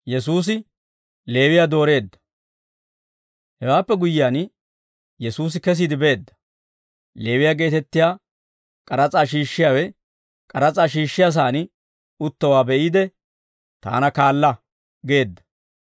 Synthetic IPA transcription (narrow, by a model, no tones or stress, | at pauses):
jɛs̬uːs̬ɪ | le̞ːwɪjaːd̪o̞ːɾe̞ːd̪ːɐ̥ | hɛwaːpːɛɡʊjɪjaːn | jɛsuːs̬ɪkɛs̬iːd̪ɪbe̞ːd̪ːɐ̥ | le̞ːwɪjaːɡe̞ːt̪ɛt̪ːɪjaː | kʼɐɾɐt͡sʼaːʃ̬iːʃːɪjaːwɛ | kʼɐɾɐt͡sʼaːʃ̬iːʃːɪjas̬aːnɪ | ʊt̪ːɐwaːbɛʔiːd̪ɛ | t̪a̰ːnɐkaːlːɐ | ɡe̞ːd̪ːɐ̥